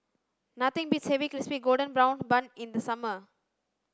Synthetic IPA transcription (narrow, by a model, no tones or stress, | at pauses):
nɐt̪ʰɪ̃ŋbiʈshɛʋikɾɪspiɡoːlɖə̃nbɾãʊ̃nbɐ̃nɪ̃nd̪əsɐmə